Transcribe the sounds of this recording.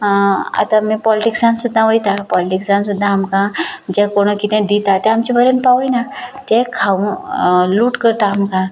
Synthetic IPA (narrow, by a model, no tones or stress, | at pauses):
a̰t̪ãmipɔliʈiksãnsud̪ʱːãʋojt̪apɔliʈiksãnsud̪ʱːaːmkãd͡ʑɛ̃koɽ̃okit̪ɛ̃d̪it̪at̪ɛ̃amt͡ɕibʱəɾənpaʋojnat̪ɛ̃kʰaũluːʈkəɾt̪aːmkã